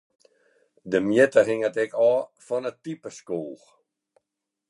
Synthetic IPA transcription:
dəmjetəhɪŋətɛkʰɔːfɔnətipəskoːx

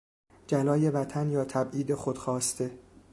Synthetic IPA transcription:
d͡ʒælɒːje̞væt̪ʰænjɒːt̪ʰæbʔiːd̪e̞xod̪̥xɒːst̪ʰe̞

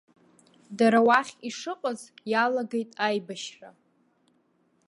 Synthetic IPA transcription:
daɾawaχʲiʂɨqʼazjalaɡe̞jtʼajbaʃra

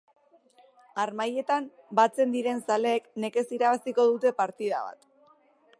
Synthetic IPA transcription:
aɾmaje̞t̪am | bat͡se̞nd̪iɾe̞nsale̞ːkne̞ke̞siɾaβasiko̞ðut̪e̞paɾt̪ið̞a̰βa̰t̪

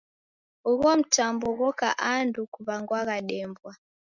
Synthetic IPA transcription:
uɣɔm̩tambɔɣɔka̰ʔandukuβaŋɡwaɣaɗɛmbwa

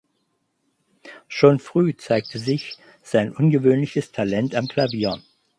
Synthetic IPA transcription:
ʃoːnfʁ̥yːt͡saɪk̚tʰəzɪç | z̥aɪnʔʊnɡəvøːnlɪçəstʰalɛntamkl̥aviːɐ

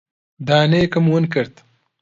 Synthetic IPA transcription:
d̪aːneːkɐmwənkəɾt̪

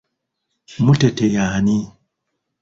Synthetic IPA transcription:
mutetejaːni

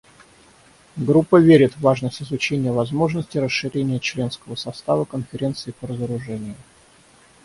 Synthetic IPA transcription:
ɡɾupːəvʲeɾʲɪt̪vaʐnəsʲtʲɪzʊt͡ɕenʲɪjəvɐzmo̞ʐnəsʲtʲɪɾəsʂːɨɾʲenʲɪjət͡ɕlʲe̞nskəvəsɐst̪avəkənfʲɪɾʲe̞nt̪sɨːpəɾəzəɾʊʐɛnʲɪjʊ

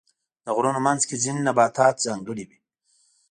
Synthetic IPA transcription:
d̪əɣɾunomanzkezinːabɑːt̪ɑːt̪̚zaŋɡəɽiwi

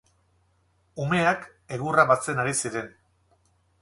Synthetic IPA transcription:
ume̞ak | e̞ɣuraβat͡se̞naɾisiɾe̞n

